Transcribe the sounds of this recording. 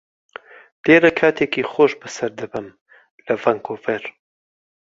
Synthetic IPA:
l̥eːɾɐkʰaːt̪ʰeːkiːχoːʃbɨsɐɾd̪ɨbɨm | lɐvɐŋkoːveɾ

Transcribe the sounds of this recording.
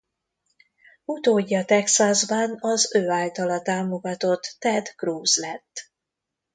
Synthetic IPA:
ut̪oːɟːɒt̪ɛksazbɒnɒzøːaːlt̪ɒlɒt̪aːmo̞ɡɒt̪o̞t̪ːɛd̪kruːzlɛt̪ː

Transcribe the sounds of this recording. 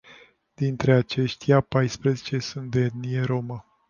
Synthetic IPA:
d̪int̪ɾe̞at͡ʃe̞ʃt̪ijapajspɾəzet͡ʃe̞sunt̪̚d̪eeed̪nijeɾo̞mə

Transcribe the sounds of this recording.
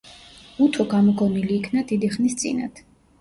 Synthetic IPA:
ut̪ʰɔɡamɔɡɔmiliːkʰnad̪id̪iχnist̪sʼḭna̰t̪ʰ

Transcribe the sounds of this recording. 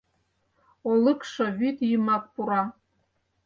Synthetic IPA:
olˠəkʃɤ̆βyt̪jəmɑk̚puɾɑ

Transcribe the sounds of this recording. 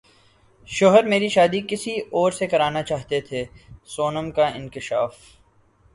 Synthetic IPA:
ʃoɦəɾmeːɾiʃaːd̪ikɪsiɔːɾsekɐɾaːnat͡ʃaːɦt̪et̪ʰeːsoːnəmkaɪ̃nkɪʃaːf

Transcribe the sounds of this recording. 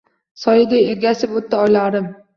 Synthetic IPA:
sɒjɪd̪ʲaeɾɡʲasɪpot̪ːɪɒjlaɾɪm

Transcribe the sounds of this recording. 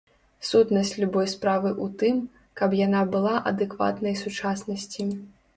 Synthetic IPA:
sut̪nɐsʲt͡sʲlʲubɔjspɾavɨʔut̪ɨm | kɐpjanabɨlˠaʔɐ̰d̪ɨkva̰t̪nɐjsut͡ʂasnɐsʲt͡sʲi

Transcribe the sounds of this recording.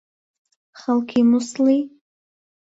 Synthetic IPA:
χalkʰimʊsli

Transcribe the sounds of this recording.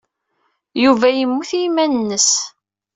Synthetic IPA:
juvæjəmːuθimænənːəs

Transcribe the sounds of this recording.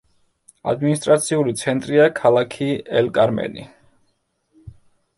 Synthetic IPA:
a̰d̪minist̪ʼɾat̪sʰiulit̪sʰɛnt̪ʼɾiakʰalˠakʰiɛlkʼaɾmɛ̰nḭ

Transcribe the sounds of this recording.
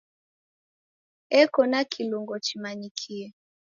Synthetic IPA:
ɛkɔnakʰiluŋɡɔt͡ʃimanikʰiɛ

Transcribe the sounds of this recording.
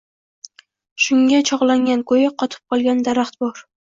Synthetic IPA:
ʃʊŋɡʲat͡ʃʰɒʁlˠaŋɡʲankʰojɪqʰɒt̪ʰɪ̥p̚qʰɒlˠɡʲand̪aɾaχt̪bɒɾ

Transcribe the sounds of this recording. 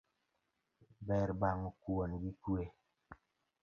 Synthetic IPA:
bɛɾbaŋukuonɡikue

